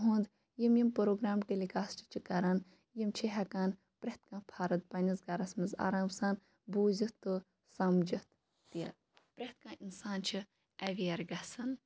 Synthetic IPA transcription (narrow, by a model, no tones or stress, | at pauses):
ɦũːnd̪ | jimjimpɐɾoːɡɾaːmʈelikaːst͡ʃʰi̥t͡ʃʰikɐɾɐn | jimt͡ʃʰiɦɐkaːn | pɾɐht̪kãːpʰaːɾɐt̪̚pɐnʲizɡɐɾɐsmɐza̰ːɾaːmsɐːn | buːzit̪ːɨ | sɐmd͡ʒɐt̪ | t̪iɐ | pɾɐht̪kãːʔinsaːnt͡ʃʰi | ɐʋiɐɾɡɐsɐn